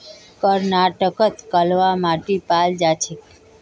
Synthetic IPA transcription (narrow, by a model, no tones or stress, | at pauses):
kəɾnaʈəkət̪kəlʋamaʈipald͡ʒat͡ʃʰe